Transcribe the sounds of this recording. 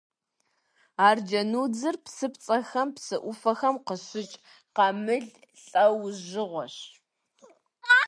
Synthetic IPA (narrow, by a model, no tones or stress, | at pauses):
aːrd͡ʒɐnuːd͡zɨrpsɨpt͡sʼɐxɐmpsɨʔʷʊfɐxɐmqəɕɪt͡ʃʼ | qɑmɨɮ | ɬʼɐwʑɪʁʷɔɕ